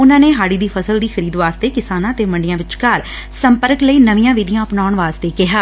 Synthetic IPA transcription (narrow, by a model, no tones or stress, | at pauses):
ʊnãːneːɦaːɽiːd̪iːpʰəsəld̪iːxʰəɾiːd̪ʋaːst̪eːkɪsaːnãːt̪eːməɳɖɪjãːʋɪt͡ʃkaːɾ | səmpəɾkləiːnəʋijãːʋɪd̪ijãːəpnaːʊɳʋaːst̪eːkɪɦaː